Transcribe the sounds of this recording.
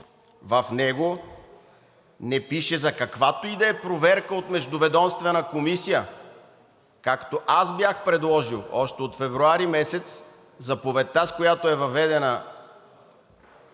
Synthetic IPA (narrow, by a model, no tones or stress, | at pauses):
vɐfnɛɡo | nɛpiʃɛzɐkɐkvat̪oid̪ɛɛpɾovɛɾkəot̪mɛʒd̪ʊvɛd̪ɔmst̪vɛnəkomisijə | kakt̪oʔazbjaxpɾɛd̪lˠɔʒilˠɔʃt̪ɛot̪fɛvɾuaɾimɛsɛt̪s | zɐpovɛt̪askojat̪oɛvɐvɛd̪ɛnə